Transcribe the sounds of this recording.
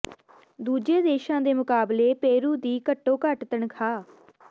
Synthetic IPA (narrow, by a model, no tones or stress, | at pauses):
d̪uːd͡ʒeːd̪eːʃãːd̪eːmʊkaːbleːpeːɾuːd̪iːkəʈːõːkəʈt̪əɳkʰaː